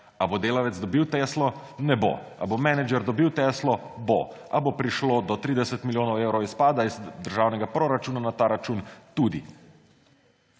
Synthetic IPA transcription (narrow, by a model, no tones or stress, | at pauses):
abod̪eːlaʋɛd̪zd̪ɔbiwt̪ɛːslɔ | nɛbo̰ | a̰bomɛnɛd͡ʒɛɾd̪ɔbiwt̪ɛːslɔbo̰ʔabopɾiʃlod̪ɔt̪ɾiːd̪ɛsɛt̪miljoːnɔweːwɾɔwispaːd̪aizd̪əɾʒaːwnɛɡapɾoːɾat͡ʃuːnanat̪aːɾat͡ʃuːnt̪ud̪ḭ